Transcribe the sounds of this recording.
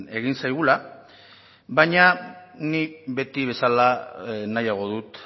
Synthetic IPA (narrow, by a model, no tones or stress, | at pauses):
e̞ɣ̞insajɣ̞ula | baɲaniβe̞t̪iβe̞salanajaɣ̞o̞ðut̪